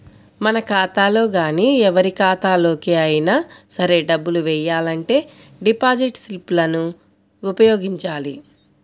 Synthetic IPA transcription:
mɐnɐkaːt̪aːlo̞ːɡaːniːɛʋɐɾikaːt̪aːlo̞ːkeɐjinaːsɐɾe̞ːɖɐbːuluʋɛjːaːlɐɳʈe̞ː | ɖipaːd͡ʒiʈsilplɐnuː | pɐjo̞ːɡiɲt͡ʃaːli

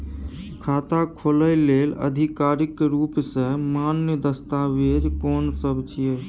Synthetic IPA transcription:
kʰat̪akʰoləɪlːelə̰d̪ʱikaɾikɾupsə̃manjəd̪əst̪aʋeɾkɔnsəbt͡ʃʰije

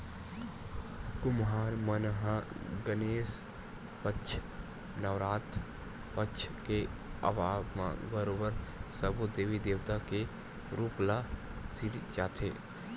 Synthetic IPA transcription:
kʊmɦaːɾmənɦaɡəneːs | pət͡ʃʰ | nəʋɾaːt̪ | pəʃʰkeə̰ʋaːbmã̰bəɾoːbəɾsəɾbod̪eːʋid̪eːʋt̪ake | ɾuːpla | siɾit͡ʃaːt̪ʰḛː

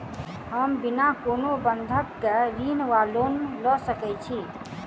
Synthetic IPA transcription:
həmbinakonobənd̪ʱəkːeɾinʋalonlɔsəkɛt͡ʃʰi

